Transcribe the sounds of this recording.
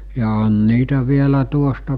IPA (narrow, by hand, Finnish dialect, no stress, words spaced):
jɑ on niːtæ ʋielæ tuostɑ